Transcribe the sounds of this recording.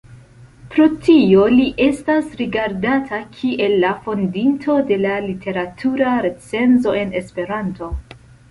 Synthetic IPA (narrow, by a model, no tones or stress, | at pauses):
pɾo̞tio̞liʔe̞stasɾiɡaɾdatʰakʰiʔe̞lːafo̞ndintʰo̞de̞lalitʰe̞ɾatʰuɾaɾe̞t͡se̞nzo̞e̞ne̞spe̞ɾanto̞